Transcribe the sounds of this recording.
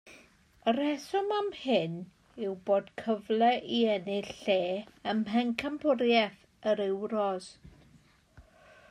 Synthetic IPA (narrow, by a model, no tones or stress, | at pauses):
əɾɛsɔmamhɪn | ɪwboːd̥kʰəvlɛʔiɛnɪɬeːəmɦɛŋkʰəmpʰʊɾjɛθ | əɾɪwɾɔz